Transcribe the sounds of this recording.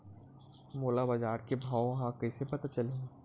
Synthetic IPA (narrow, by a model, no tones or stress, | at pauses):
moːlabad͡ʒaːɾkebʱaːoɦãkɐisepɐt̪at͡ʃɐle